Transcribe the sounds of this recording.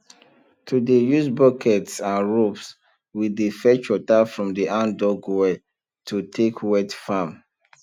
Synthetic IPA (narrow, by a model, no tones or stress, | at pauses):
tʰudejusbɔkʰɛtsãnɹops | widifɛt͡ʃɔtafɹɔ̃mdiʔãndɔɡwɛ | tʰutʰekʰwɛtfãm